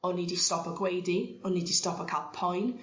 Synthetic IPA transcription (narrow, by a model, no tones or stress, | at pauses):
ɔniːdistɔpəɡwejdiɔniːdistɔpəkʰaʔpʰɔjn